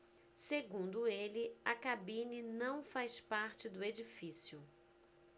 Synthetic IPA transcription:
seɡũnd̪ʊelɪɐkabĩninɐ̃w̃fajspaɾt͡ʃɪd̪ʊed͡ʒifisjʊ

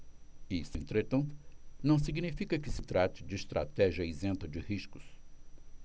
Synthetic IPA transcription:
isʊẽnt̪ɾet̪ɐ̃nt̪ʊ̥nɐ̃w̃siɡnifikɐkɪsɪt̪ɾat͡ʃɪd͡ʒɪːst̪ɾa̰t̪ɛʒiɐizẽnt̪ɐd͡ʒɪhiskʊ̥s

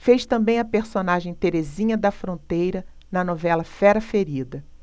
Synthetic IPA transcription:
fejʃt̪ɐ̃mbẽj̃ɐpeɾsonaʒẽj̃t̪eɾezĩɲɐd̪ɐfɾõnt̪ejɾɐ | nɐnovɛlɐfɛɾɐfeɾid̪ɐ

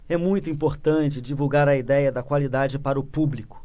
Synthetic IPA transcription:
ɛmũj̃t̪ʊĩpoɾt̪ɐ̃nt͡ʃɪd͡ʒivuwɡaɾɐid̪ɛjɐd̪ɐkwalid̪ad͡ʒɪpaɾɐʊpublikʊ̥

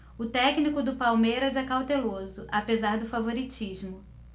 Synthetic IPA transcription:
ʊt̪ɛknikʊd̪ʊpawmejɾɐzɛkawt̪elozʊʔapezaɾd̪ʊfavoɾit͡ʃiʒmʊ

